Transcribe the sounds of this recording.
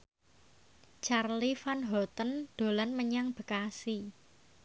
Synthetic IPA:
t͡ʃarlifanɦɔt̪ənd̪̥o̤lanməɲaŋb̥ə̤kasi

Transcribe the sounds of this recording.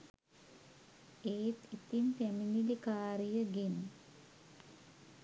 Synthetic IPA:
eːt̪it̪impæminilikaːɾijəɡen

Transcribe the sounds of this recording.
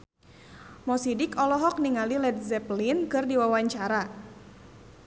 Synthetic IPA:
mɔsidɪkɔlɔɦɔk̚niŋalilɛt̪̚zɛplinkɨrdiwawaɲt͡ʃaɾa

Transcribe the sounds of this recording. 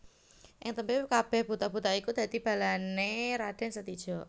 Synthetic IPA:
ʔɪŋt̪əmpikab̥ɛhb̥ut̪ab̥ut̪aikud̪̥a̤d̪ib̥a̤laneɾad̥a̤ŋsət̪id̥ʒ̥ɔ̤

